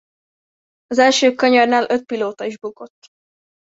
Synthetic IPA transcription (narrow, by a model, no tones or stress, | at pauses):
ɒzɛlʃøːkøɲɒrnaːlʔø̞t̪̚piloːt̪ɒiʒbuko̞t̪ː